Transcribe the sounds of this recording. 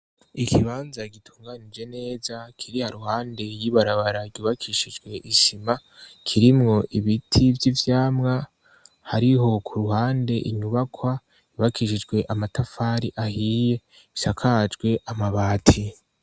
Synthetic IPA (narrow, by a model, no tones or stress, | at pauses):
ikʰiβaːnzaɡitʰuːŋɡanid͡ʒe̞ne̞ːzakʰiɾihaɾuhaːnde̞jiβaɾaβaɾaɡɟuβakʰiʃid͡ʒɡwe̞ʔiʃima | kʰiɾimŋo̞ʔiβitʰivjivjaːmŋa | haɾiɦo̞kʰuɾuhaːnde̞ʔḭɲuβakʰwḁ | uβakʰiːʃid͡ʒɡwe̞ʔamatafaːɾiʔahije̞ | isakʰad͡ʒɡwe̞ʔamaβaːtʰi